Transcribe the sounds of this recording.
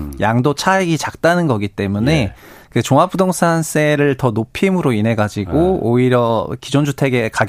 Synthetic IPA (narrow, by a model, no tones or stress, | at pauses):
jaŋdot͡ɕʰaeɡit͡ɕak̚t͈anɯnɡʌɡit͈e̞mune̞ | kɯt͡ɕoŋɦap͈ʰudoŋs͈ʰans͈ʰe̞ɾɯɭtʌnopʰimɯɾoinɦe̞ɡad͡ʑiɡoːiɾjʌkid͡ʑond͡ʑʰutʰe̞ɡe̞kaɡ